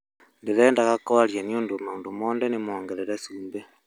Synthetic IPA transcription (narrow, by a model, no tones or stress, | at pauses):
ndeðeːndaɣakoaɾjanioːndomoːndomoːndenemoːŋɡeɾeɾesuːmbe